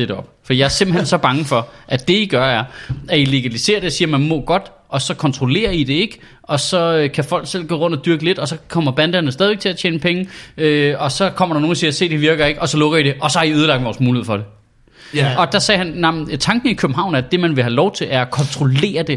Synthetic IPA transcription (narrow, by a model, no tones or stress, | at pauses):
edɒ̽b̥fɒijɑ̈æɐse̝m̰b̥̩hɦensɒ̽b̥ɑ̈ŋəfɒ̽ʔæd̥e̝iɡ̥ɶɐæɐæile̝ɡ̥ælise̝̰ːɐɾ̥eɒsiːɐmænmɔ̽ːɡ̥ɒ̽d̥ | ʔɒ̽sɒ̽kʰɒnt͡sʰʁo̝le̝̰ːɐid̥e̝e̝ɡ̥ | ɒ̽sɒ̽økʰæfɒ̽l̰ɡ̥sel̰ɡ̥ɔ̰ːʁɔ̽n̰d̥ɒd̥yɐɡ̥əle̝d̥ɒ̽sɒ̽kʰɒ̽m̰ɐb̥ænd̥ænəsdɛðˠie̝ɡ̥̚t͡sʰe̝læɐt͡ɕʰeːnəpʰeŋəøɒ̽sɒ̽kʰɒ̽m̰ɐɾɑno̝ːn̩isiːɐɐse̝̰ːd̥iʋiɐɡ̥ɐe̝ɡ̥ɒ̽sɒ̽lɔ̽ɡ̥ɐiɾ̥e̝ʔɒ̽sɒ̽hɑ̈iøð̞ˠlɑ̈ɡ̥̚d̥ʋɒːsmuːieð̰ˠfɒɾ̥e̝ | ɒ̽d̥ɑsɛːɦænːɑmn̩t͡sʰɑ̈ŋɡ̥n̩ikʰøb̥̚m̩ɦɑ̈ʊ̰næɐd̥e̝mænʋe̝ɦælɒʊt͡sʰe̝lʔæɐɒkʰɒ̽nt͡sʰʁo̝le̝̰ːɐd̥e̝